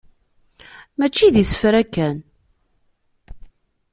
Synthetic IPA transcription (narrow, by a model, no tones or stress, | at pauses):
mæt͡ʃːiðisə̥fɾækːæn